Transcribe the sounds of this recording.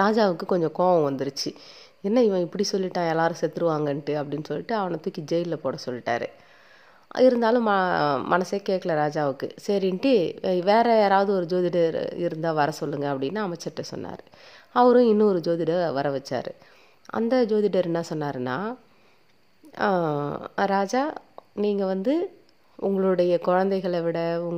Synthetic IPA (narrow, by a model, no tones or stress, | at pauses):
ɾaːd͡ʒaːʋɯkːɯkɔɲd͡ʒɔ̃koːʋɐ̃ʋɐnd̪ɯɾɯt͡ʃːɯ | ɛnːɐɪʋɐ̃ɪpːɐɽisɔlːɪʈːãːɛlːaːɾɯ̃sɛt̪ːɯɾɯʋaːŋɡɐɳʈːɯɐpːɐɽɪnːɯsɔlːɪʈːɯɐʋɐnɐt̪ukːid͡ʒɛjɪllɐpoːɽɐsɔlːɪʈːa̰ːɾɯ̰ | ɪɾɯnd̪aːlʊ̃mɐmʔɐnɐsekeːʈkːɐɭɐɾaːd͡ʒaːʋɯkːɯ̰sɛɾɪɳʈɯʋeːɾɐeːɾaːʋɐðɯɔɾɯd͡ʒoːðɪɖɐɾɪ̰ɾɯnd̪ãːʋɐɾɐsɔlːɯŋɡɐɐpːɐɽɪnːaɐmɐɪt͡ʃːɐʈːɐsɔ̰nːa̰ːɾɯ | ɐʋɐɾʊ̃ɪnːɯɔɾɯd͡ʒoːðɪɽɐʋɐɾɐʋɛt͡ʃːa̰ːɾɯ | ʔɐ̰nd̪ɐd͡ʒoːðɪɽɐɾnːãːsɔnːaːɾɯnːa̰ː | ɾaːd͡ʒaːniːŋɡɐʋɐnd̪ɯ | ʊŋɡɐɭɯɽɐjɐkɔɻɐnd̪ɐɛɪɣɐɭʋɪɽɐʊŋ